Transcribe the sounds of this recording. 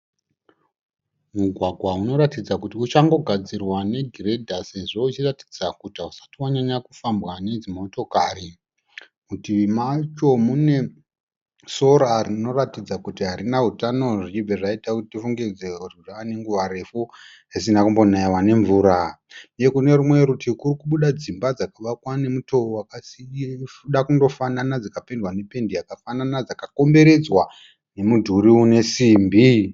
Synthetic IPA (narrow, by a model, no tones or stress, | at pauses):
muɡʱwaɡʱwauno̞ɾatid͡zakutiut͡ʃaŋɡo̞ɡʱad͡zirwane̞ɡʱire̞dʱase̞ʐo̞ut͡ʃirati̥d͡zakutausḁtiwaɲaɲakufambɣane̞d͡zimo̞to̞kaɾi | kutimat͡ʃo̞mune̞ | so̞ɾarino̞ratid͡zakutiɦaɾinaɦutano̞ʐit͡ʃibeʐaitakutitifuŋɡed͡zeururane̞ŋɡuʋaɾe̞fu | ɦesinakumbo̞naiwane̞ɱvuːɾa | jekune̞rumwe̞ɾutʰikurikuɓuɗad͡zimbad͡zakaʋakwane̞muto̞wakasifuɗakundo̞fananad͡zakapendwane̞pe̞ndijakafananad͡zakako̞mbe̞ɾe̞d͡zwa | ne̞mudʱuɾiune̞siːmbi